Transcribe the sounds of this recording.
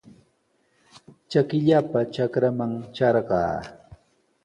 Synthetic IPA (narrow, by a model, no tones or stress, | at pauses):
t͡ʃakɪʎapat͡ʃakɾamaŋt͡ʃaɾɢɑ̰ː